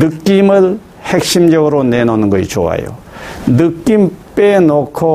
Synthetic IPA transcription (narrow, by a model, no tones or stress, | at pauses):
dɯkːimɯl | hɛk̚simd͡ʒɔɡɾɔnenɔnɡɯjt͡ʃʰɔa̰jɔ̰ | dɯkːimpenɔkʰːɔ